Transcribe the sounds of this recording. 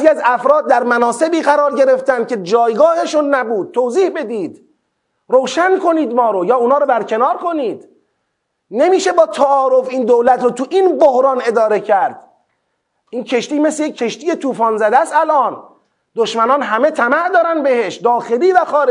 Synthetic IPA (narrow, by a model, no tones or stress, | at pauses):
ziæzæfɾɒːd̪̚ːæɾmænɒːse̞biːɣæɾɒːɾɟe̞ɾe̞ft̪ænd̪̚cʰe̞d͡ʒɒːjɡɒːheʃunːæbuːd̪̥̚t̪ʰːoːziːhbe̞d̪iːd̪ | ɾowʃænkʰo̞niːd̪mɒːɾojɒːunhɒːɾobæɾcʰe̞nɒːɾkʰo̞niːd̪ | nemiːʃe̞bɒːt̪ʰæʔɒːɾo̞fiːnd̪owlæt̪ɾoːt̪ʰuʔinbohɾɒːne̞d̪ɒːɾe̞cʰæɾd̪̥̚ | ʔiːncʰe̞ʃt̪iːmeslejec̚ʰːe̞ʃt̪iːje̞t̪ʰuːfɒːnzæd̪æst̪ælʔɒːn | d̪oʃmænɒːnɦæme̞t̪ʰæmæʔd̪ɒːɾænd̪behe̞ʃd̪ɒːxe̞liːvæxɒːɾe